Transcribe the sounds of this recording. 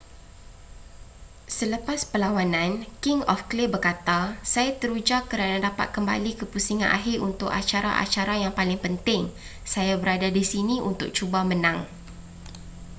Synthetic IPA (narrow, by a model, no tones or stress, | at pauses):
sələpaspəlawanãnkɪŋɔ̰fklɪbərkat̪asajat̪əɾud͡ʒakːəɾanadapa̰t̪̚kəmba̰likəpusiŋanʔa̰ɦɪrunt̪ʊka̰t͡ʃaɾa̰ʔa̰t͡ʃaɾajaŋpalɪŋpənt̪ɪŋ | sajabəɾadadisinĩʔṵnt̪ʊ̰k̚t͡ʃubamənãŋ